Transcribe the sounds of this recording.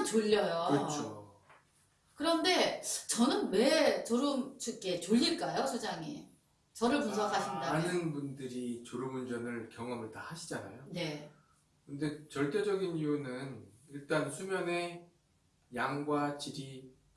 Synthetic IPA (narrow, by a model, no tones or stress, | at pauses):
t͡ɕoʎːʌjoɯʌt͡ɕʰo | kɯɾʌnde̞t͡ɕʌnɯnme̞t͡ɕoɾɯmt͡ɕʰuk͈e̞t͡ɕoʎːiɭk͈ajosʰud͡ʑaŋḭ | t͡ɕʌɾɯɭpuns̬ʰʌkʰaɕʰindanɯnbundɯɾit͡ɕoɾumund͡ʑʌnɯɭkjʌŋʌmɯɭtahaɕʰid͡ʑana̰jone̞ | kɯnde̞t͡ɕʌɭt͈e̞d͡ʑʌɡinijunɯniɭt͈ansʰumjʌne̞ | jaŋɡwat͡ɕiɾi